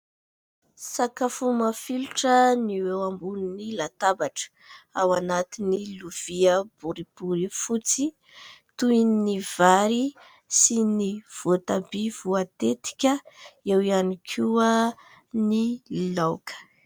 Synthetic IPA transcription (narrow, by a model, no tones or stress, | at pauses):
sakafumafiluʈ͡ʂəniwewambununilat̪abaʈ͡ʂə̥ | awanat̪iniluv̥iəb̥uɾib̥uɾifut͡si | t̪uiniv̥aɾi | siniv̥ot̪abivuat̪et̪i̥kʲəewianikʰuə | nilokʰə̥